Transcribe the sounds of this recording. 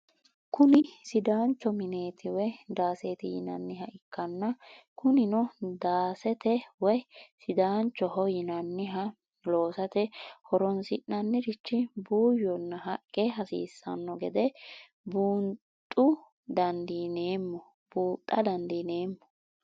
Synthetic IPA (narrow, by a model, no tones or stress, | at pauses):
kʊnɪsɪd̪aːnt͡ʃːɔmɪne̞ːt̪ʰɪwɛd̪aːseːt̪ɪjɪ̰nɐ̰nːɪɦɐʔɪkːɐnːɐ | kʊnɪnɔd̪aːsɛt̪ɛwɔjsɪd̪aːnt͡ʃːɔhɔjɪnɐnːɪɦɐ | lo̞ːsɐt̪ɛhɔɾɔnsɪʔnɐnːɪɾɪt͡ʃːɪbuːjːɔnːɐɦɐkʼːɛɦɐsḭːsːɐ̰nːɔɡɛd̪ɛ | buːn | t̪ʼːʊ | d̪ɐnd̪iːneːmːɔ | b̥uːt̪ʼːɐd̪ɐnd̪iːne̞ːmːɔ